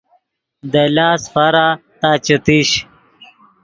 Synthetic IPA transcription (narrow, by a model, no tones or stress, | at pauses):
d̪ɐlaːsfɐɾat̪aːt͡ɕɐt̪iɕ